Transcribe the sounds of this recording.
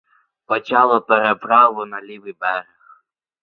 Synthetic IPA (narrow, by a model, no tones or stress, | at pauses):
pɔt͡ʃɑlˠɔpɛɾepɾɑʋʊnɐlʲiʋɪbɛɾɛx